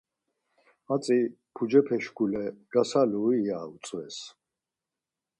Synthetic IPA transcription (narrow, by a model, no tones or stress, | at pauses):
at͡sʼi | pʰud͡ʒɛpʰɛʃɡulɛɡ̥asaluiːaːut͡sʼwɛs